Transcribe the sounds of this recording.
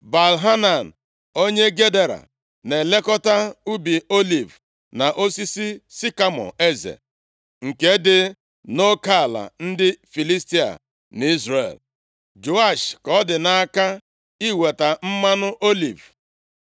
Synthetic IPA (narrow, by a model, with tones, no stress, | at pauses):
ba˨lɦa˦na˨n̩˨ | o˦ɲe˦ɡe˦de˦ɾa̰˨ | ne˨le˦kɔ˦ta˦u˦bi˨o˦li˨v | na˨ʔo˦si˦si˦si˦ka˦mɔ̰˨e˦zḛ˨ | ŋ̩˨ke˦dɪ˦ | no˦ka˦˨la̰˨n̩˦dɪ˦fi˨li˦sti˦a̰˨ | n˨˦i˦zɾḛ˨l | d͡ʒo˨a˦˨ʃkɔ˦dɪ˨na˦ka˦ | i˦we˨ta˨m̩˦ma˦nʊ˦ʔo˦lḭ˨v